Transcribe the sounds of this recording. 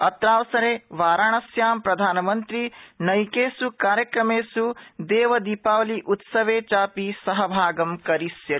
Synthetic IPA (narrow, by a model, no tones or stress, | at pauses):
ɐt̪ɾaːʋɐsɐɾeːʋaːɾaːɳɐsjaːmpɾɐd̪ʱaːnɐmɐnt̪ɾinɐjkeːsukaːɾjɐkɾɐmeːsud̪eːʋɐd̪iːpaːʋɐliʔut̪sɐʋeːt͡ʃaːpisɐɦɐbʱaːɡɐmkɐɾisjɐ